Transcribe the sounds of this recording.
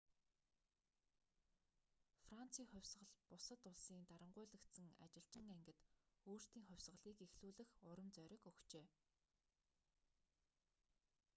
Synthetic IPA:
fran̥t͡sʰiːŋχʊ̟wʲsɢə̆ɮpʊsə̆t̪ʊɮsiːnt̪aɾə̆ɴɢʊ̟ːɮə̆kt̪sɘ̆ŋa̰t͡ɕɪ̆ɬt͡ɕɪ̆ŋæŋɡɘ̆t̪oːr̥t̪iːŋχʊ̟wʲsʁə̆ɮiːkexɮuːɮɘ̆xʊɾə̆mt͡sœɾʲɪ̆kɵxkt͡ɕeː

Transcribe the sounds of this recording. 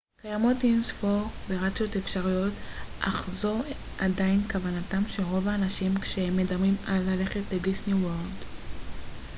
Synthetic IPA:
kajamo̞tinsfoʁveʁat͡so̞tefʃaʁujo̞tʔa̰χzo̞ | ʔadainkavanatamʃeʁo̞vaːnaʃimkʃehemːe̞damʁimalːale̞χe̞tledisniwoʁld

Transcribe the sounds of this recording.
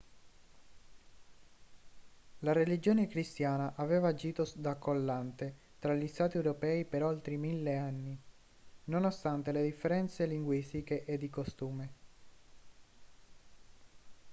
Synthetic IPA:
laɾelid͡ʒoːnekɾist̪jaːnaʔaveːvaːd͡ʒiːt̪od̪akːolːant̪e | t̪ɾaʎːist̪aːt̪iewɾopɛːipeɾolt̪ɾimilːeanːi | nonost̪ant̪eled̪ifːeɾɛnt̪seliŋɡwist̪ikeʔed̪ːikost̪uːme

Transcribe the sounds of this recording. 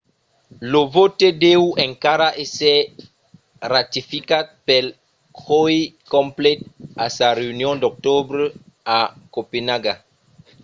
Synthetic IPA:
lovot̪edewẽŋkaɾaʔese | rat̪ifikat̪̚pel | kojkõmplet̪̚asaɾeunjõnd̪ok̚t̪obɾe | akopenaɡa

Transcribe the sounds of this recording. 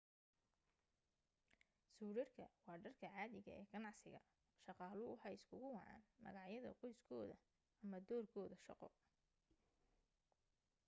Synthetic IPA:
suːɾɐrkʰɐwɑːɖɐrkʰɐʕɑːðɪɣɐ̰ʔɛːɡɐnɑʕsɪ̰ɣɐ | ʃɑqɑːlʊʊħɑjɪskʰʊɣʊwɑʕɑ̰ːnmɐ̰ɣɑʕjɐðɐ̰qɔjskʰɔːðɐ | ɐmɐd̪ɔːrkʰɔːðɐʃɑ̰qɔ̰

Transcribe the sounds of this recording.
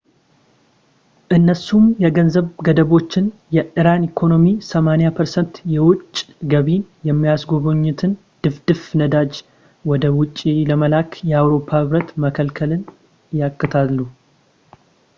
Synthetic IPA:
ʔɨnːəsumjɛɡənzəβɡəd̪əβo̞t͡ʃːɪnjɛʔɨɾanikʰo̞no̞misəmanijapʰəɾsənt̪jɛwʊt͡ʃʼː | ɡəβinjɛmːijasɡo̞βoɲːɪt̪ʰɨn | d̪̥ɨfd̪̥ɨfnəd̪ad͡ʒ | wɔd̪əwʊt͡ʃʼːiləməlakʰjɛawɾo̞pʰːahɨβɾət̪məkʰəlkʰəlɨn | jakːɨt̪ʰalːu

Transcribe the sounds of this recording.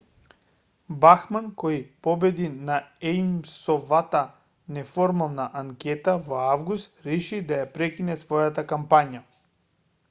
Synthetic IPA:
baxmankɔjipɔbɛd̪inaɛmsɔvat̪a | nɛfɔɾmalˠnaʔaŋkʲɛt̪avɔavɡust̪ɾɛʃid̪ajapɾɛkʲinɛsvɔjat̪akampaɲa

